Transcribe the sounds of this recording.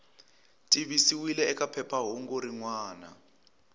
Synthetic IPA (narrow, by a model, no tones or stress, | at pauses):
tʼiβisiwilɛːkʼapʰɛpʰaɦɔŋɡoɾiŋwaːna̰